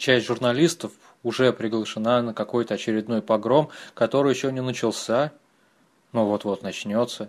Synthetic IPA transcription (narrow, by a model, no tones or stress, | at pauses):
t͡ɕæsʲtʲʐʊrnɐlʲist̪əf | ʊʐɛpɾʲɪɡlˠəʂɨnanəkɐko̞jt̪əɐt͡ɕɪɾʲɪd̪no̞jpɐɡɾo̞mkɐt̪o̞ɾɨjɪɕːonʲɪnət͡ɕɪlˠsʲa | novot̪vo̞t̪nɐt͡ɕnʲo̞t̪sːə